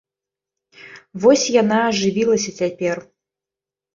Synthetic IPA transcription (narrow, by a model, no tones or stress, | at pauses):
vɔsʲjanaːʐɨvʲilˠɐsʲɐt͡sʲapʲɛr